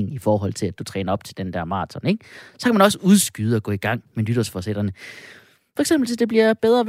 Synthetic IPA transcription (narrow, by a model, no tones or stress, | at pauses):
ŋifɒːɦɒ̽l̰t͡sʰe̝læd̥ut͡sʰʁɛːnɐɒ̽b̥t͡sʰe̝ld̥end̥æɐmɑ̈ːt͡sʰɒne̝ɡ̥̚sɒ̽kʰæmænɒ̽səuðˠsɡ̥yːð̞̩ˠɒ̽ɡ̥ɔ̽iɡ̥ɑ̈ŋ̰melyd̥ɐsfɒsed̥ʁɐnə | fɒ̽eɡ̥semb̥l̩sed̥e̝b̥liɐb̥eð̞ˠʁɐʋ